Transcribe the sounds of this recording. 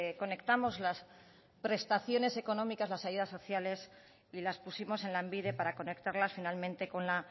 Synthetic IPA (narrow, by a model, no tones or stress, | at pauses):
ko̞ne̞kt̪amo̞zlas | pɾe̞st̪aθjo̞ne̞se̞ko̞nõ̞mikazlasaʝuðasːo̞θjale̞s | ilaspusimo̞se̞nlaembiðe̞paɾako̞ne̞kt̪aɾlasfinalmẽ̞nt̪e̞ko̞nla